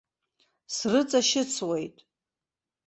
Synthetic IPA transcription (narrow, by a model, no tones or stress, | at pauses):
srɨt͡sʼaʃɪt͡sʰwe̞jtʼ